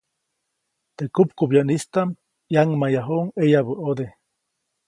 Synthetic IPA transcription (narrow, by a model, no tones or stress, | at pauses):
t̪ekupkubjanist̪am | jaŋmajaɦoŋejaβəʔod̪e